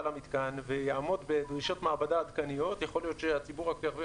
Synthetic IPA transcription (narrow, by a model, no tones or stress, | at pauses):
lamit̪kanvejaːmo̞d̪bed̪ʁiʃo̞t̪maabadaːd̪kanijo̞t̪jaχo̞lijo̞t̪ʃeat͡sibuʁakt̪eaʁvi